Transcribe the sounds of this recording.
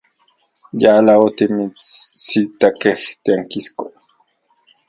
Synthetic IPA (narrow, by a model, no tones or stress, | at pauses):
jalaot̪imisit̪akext̪aŋkisko